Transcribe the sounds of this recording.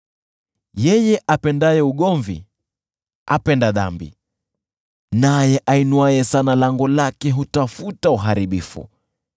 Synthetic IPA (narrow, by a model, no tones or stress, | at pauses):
jɛjɛʔapɛndajɛuɠɔɱvḭ | a̰pɛndaða̰mbḭ | najɛʔainwajɛsanalaŋɡɔlakɛɦutafutauɦaɾiɓifṵ